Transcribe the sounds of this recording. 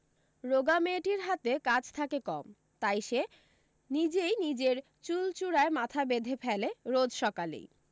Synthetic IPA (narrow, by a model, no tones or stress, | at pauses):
ɾoɡameʈiɾɦat̪ekat͡ɕʰt̪ʰakekɔ̰m | t̪ajʃe | nid͡ʑejnid͡ʑeɾ | t͡ɕult͡ɕuɽaemat̪ʰabed̪ʱepʰɛleɾod͡ʑʃɔkalḛj